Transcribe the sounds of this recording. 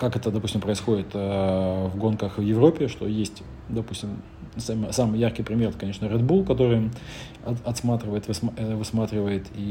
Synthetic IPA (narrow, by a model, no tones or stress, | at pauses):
kakɛt̪əd̪ɐpusʲɪmpɾəɪsxo̞dʲɪt̪əvɡo̞nkəxvjɪvɾo̞pʲːɪʂt̪o̞jesʲtʲ | d̪ɐpusʲtʲɪm | samɨsamɨjarkʲɪjpɾʲɪmʲe̞rɛt̪ə̥kɐneʂnəɾʲɛd̪bulˠkɐt̪o̞ɾɨj | ɐɐt̪smat̪ɾʲɪvəjɪt̪vɨsmvɨsmat̪ɾʲɪvəjɪt̪ʰi